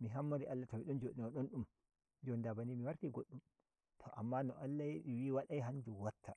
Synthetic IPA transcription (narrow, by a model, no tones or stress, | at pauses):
miɦamːaɾiʔalːatabiɗɔnd͡ʒoɗinaɗɔnɗum | d͡ʒɔndabanimiwaɾtiɡoɗːum | tʰɔʔamːanɔʔalːajeɗiwiwaɗajɦaɲd͡ʒuwatʰːa